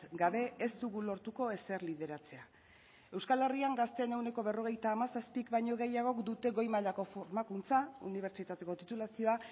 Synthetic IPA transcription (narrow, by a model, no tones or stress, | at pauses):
ɡaβe̞est̪uɣulo̞ɾt̪uko̞e̞seɾlið̞e̞ɾat͡se̞a | e̞wskale̞riaŋɡast̪e̞ne̞wne̞ko̞βe̞ro̞ɣ̞e̞jt̪aːmasaspikbajɲo̞ɣe̞jaɣ̞o̞kd̪ut̪e̞ɣo̞jmaʎako̞foɾmakunt͡sauniβ̞e̞ɾt͡ʃit̪at̪e̞ko̞t̪it̪ulasio̞a